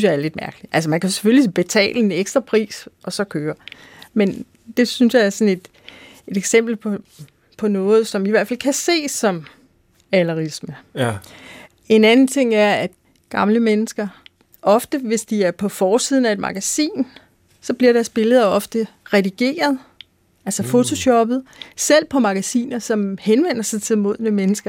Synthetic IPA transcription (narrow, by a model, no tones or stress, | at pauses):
synsjɑ̈æɐle̝d̥̚mæɐɡ̥əli̥ælsəmænkʰæse̥følisb̥e̝t͡sʰɛ̰ːləe̝neɡ̥sd̥ʁɐpʰʁḭːsʔɒ̽sɒ̽kʰøːɐ | men | d̥e̝synsjɑ̈ɪæɐsɒ̽ne̝d̥ | e̝d̥eɡ̥sem̰b̥l̩pʰ | pʰɒ̽nɔ̽ːð̞̩ˠsɒ̽miʋæɐd̥fælkʰæse̝̰ːsɒ̽m | ælɐʁismə | e̝nænn̩t͡sʰe̝ŋ̰æɐæd̥ | ɡ̥ɑ̈mləmenəsɡ̥ɐ | ʔɒ̽fd̥əʋe̝sd̥iæɐpʰɒ̽fɒːsiðˠn̩æe̝d̥mʔɑ̈ɡ̥æsḭːn | sɒ̽b̥liɐɾ̥æɐsb̥e̝ləð̞̩ˠɒ̽fd̥əʁɛðiɡ̥e̝̰ːɐð̞ˠ | ælsɐfo̝t͡sʰo̝ɕɒ̽b̥ð̩ˠsel̰pʰɒ̽mɑ̈ɡ̥æsḭːnɐsɒ̽mhenʋen̰ɐsɑ̈ɪt͡sʰe̝lmo̝ð̞̰ˠnəmenəsɡ̥ɐ